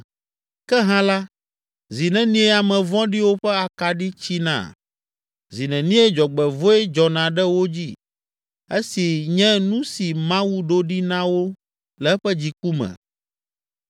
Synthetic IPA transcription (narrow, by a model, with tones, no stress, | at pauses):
kɛ˦ɦã˦la˦ | zi˨nɛ̃˨nĩ˦ɛ˦a˨mɛ̃˨vɔ̃˦ɖi˦wo˦ɸɛ˦a˨ka˨ɖi˦t͡ɕi˦nã̰˦˨ | zi˨nɛ̃˨nĩ˦ɛ˦d͡ʒɔ˨ɡ͡bɛ˨vo˦e˦d͡ʒɔ˨nã˨ɖɛ˦wo˦d͡ʑi˦ | e˦si˨ɲɛ̃˦nũ˦si˨mã˦wu˦ɖo˦ɖi˦nã˦wo˦ | lɛ˨˦ɸɛ˦d͡ʑi˦ku˦mɛ̰̃˨